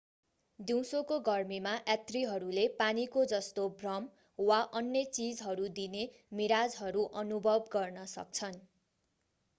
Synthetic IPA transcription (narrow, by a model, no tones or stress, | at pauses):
d̪iw̃sokoɡʌrmimaʔjat̪riɦʌɾulepanikod͡zʌst̪obrʌm | waʔʌnjʌt͡sid͡zɦʌɾud̪ine | miɾad͡zɦʌɾuʔʌnubʱʌbɡʌrnʌsʌ̰k̚t͡sʰʌn